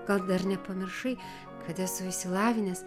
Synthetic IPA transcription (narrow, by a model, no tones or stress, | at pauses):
ɡ̥ɐlˠd̪ɐɾnʲɛpɐmʲɪɾʃɐɪ | kʰɐt̪ɛsʊɪsʲɪlˠɑːʋʲɪnʲɛs